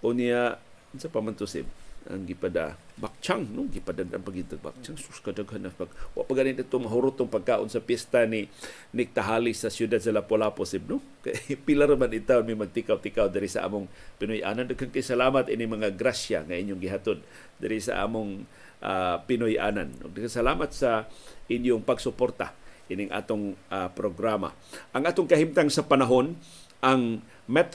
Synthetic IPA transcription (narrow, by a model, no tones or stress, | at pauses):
ʔʊnja | nsapamant̪ʊsɪ̰b̚a̰ŋɡipada̰bak̚t͡ʃaŋnʊɡipadadʔa̰npaɡid̪t̪aɡ̚ba̰k̚t͡ʃaŋsʊ̥skadaɡɦanaspaɡwa̰ʔpaɡaninat̪ʊŋaɦʊɾut̪ʊŋpaɡ̚kaːʔʊ̰nsapjɛst̪ani | nɪk̚t̪aɦalisasjudad̪̚salapolaposib̚nʊ | ka̰pilaɾamanit̪aonmimaɡ̚t̪ikawt̪ikawd̪aɾisa̰ʔa̰mʊŋpɪnʊjʔa̰ːnand̪aɡkankajsalaːmat̪ʔinɪŋmɐŋaɡɾasa̰ŋaiɲjʊŋɡɪɦat̪od̪̚ | d̪aɾisa̰ʔa̰ːmʊŋ | ʔapɪnʊjʔa̰ːna̰nʊ̰ɡ̚nakasalaːmat̪̚saʔɪnjʊŋpaɡsʊpoɾt̪a̰ʔinɪŋʔa̰ːt̪oŋapɾoɡɾama̰ | ʔaŋʔaːt̪ʊŋkɐhimt̪aŋsapanaɦon | ʔaŋ | mɛt̪